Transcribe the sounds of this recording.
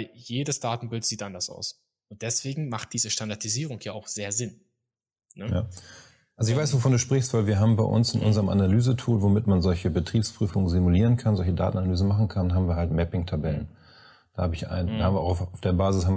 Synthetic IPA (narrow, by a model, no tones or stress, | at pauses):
aljeːdəsd̥aːtn̩bɪltz̥iːtʔandɐsa̰ʊs | ʔʊnt̚d̥ɛsv̥eːɡŋ̩maχt̚d̥iːzəʃtandaɐdiziːʁ̞ʊŋjaːaʊxz̥eːɐzɪn | nəja̰ː | ʔalzoɪçv̥aɪsv̥ofɔːnduːʃpʁ̥ɪçstv̥aɪlviːɐɦaːbm̩baɪʔʊ̰nsɪnʔʊ̰nzəʁəmʔa̰nalyːzətʰuːlvomɪtmanzɔlçəbətʁ̥iːpspʁ̥yːfʊŋənzimuliːʁ̞ənkʰanzɔlçəda̰ːtn̩analyːzn̩maχn̩kʰanɦaːbm̩viːɐɦaltmɛpɪŋtʰabɛlə̰n | d̥aːhaːbəɪça̰ɪnːhaːmviɐʔaʊxaʊfd̥eːɐbaːzɪshaːbmv